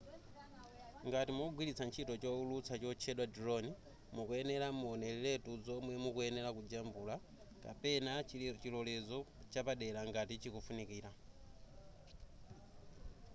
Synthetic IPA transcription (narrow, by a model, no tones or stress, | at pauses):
ŋɡatimɔɡwilit͡sʰant͡ʃʰitɔt͡ʃɔulut͡sʰat͡ʃɔt͡ʃʰɛɗwadiɾɔni | mukuɛnɛlamɔnɛlɛlɛtud͡zɔmwɛmukuɛnɛlakud͡ʒambula | ka̰pɛnat͡ʃilɔlɛzɔ | t͡ʃapaɗɛlaŋɡatit͡ʃikufunikiːɾa